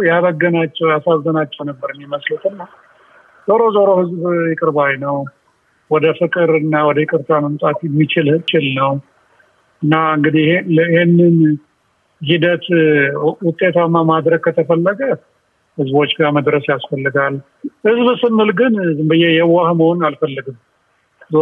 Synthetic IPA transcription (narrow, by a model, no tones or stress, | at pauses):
jaβəɡːənat͡ʃːɛwjasazːənat͡ʃːɛwnəbːəɾɨmjɪməslət̪ɨnːa | zoɾo̞zoɾohɨzbjɪkʼɨɾbajnəw | wɔd̪əfɨkʼɨɾɨnːawɔd̪əɪkʼɨɾt̪ʰaməmt̪ʼat̪jɛmːit͡ʃɪlt͡ʃʼɪlnəw | ɨnːaɨŋɡɨd̪iləihenːɨn | hid̪ət̪ | wʊt̪ʼe̞t̪ʰamːamad̪ɾəɡ̚kʰət̪ʰəfəlːəɡə | hɨzbo̞t͡ʃːɡaməd̪ɾəsjasfəlːɨɡal | hɨzbsɨmːɨlɡɨnzɨmbɨjɛjɛwahməhonalfəlːɨɡɨm | z